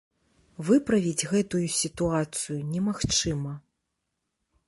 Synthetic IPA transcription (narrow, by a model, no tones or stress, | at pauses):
vɨpɾɐvʲid͡zʲɣɛt̪ujusʲit̪uat̪sɨjunʲɛmaxt͡ʂɨmɐ